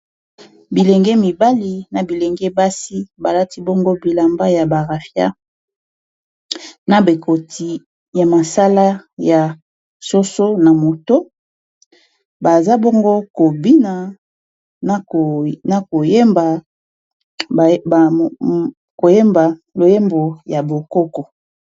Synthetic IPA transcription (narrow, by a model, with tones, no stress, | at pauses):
bi˨le˨ŋɡɛ˦mi˨ba˦li˨na˨bi˨le˨ŋɡe˦ba˦si˦ba˨la˦ti˦bo˦ŋɡo˦bi˨la˨mba˦ja˨ba˨ʁa˨fja̰˦ | na˨be˨kʰo˨ti˨ | ja˨ma˨sa˦la˦ja˨ | so˦so˦na˨mo˨to˦ | ba˨za˦bo˦ŋɡo˦ko˨bi˦na˨˦˨ | na˨ko˨je˦mba˨ | ko˨je˦mba˨lo˨je˦mbo˨ja˨bo˨ko˦kɔ˨